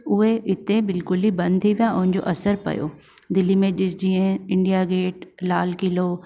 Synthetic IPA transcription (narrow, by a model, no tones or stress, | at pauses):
ʊɦeʔɪt̪ebɪlkʊlibɐ̃nd̪̚t̪ʰiʋijaʊ̃ɦɪ̃ɲd͡ʑo̰ʔɐsəɾpɐ̰jo̰ː | d̪ɪlimẽʄɪsd͡ʑiːə̃ɪ̃ɳɖijaɡeːʈlaːlkɪloː